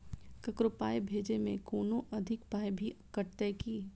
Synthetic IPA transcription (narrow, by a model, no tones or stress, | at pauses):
kɐkɾopaːjbʱeːd͡ʒemẽkoːnoʔɐd̪ʱɪkpaːjbʱikɐʈ̚t̪ɛkiː